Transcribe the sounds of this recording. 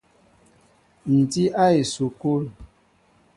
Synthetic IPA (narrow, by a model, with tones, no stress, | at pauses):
n̩˨ti˦ʔa˦e˨so˨ko˦l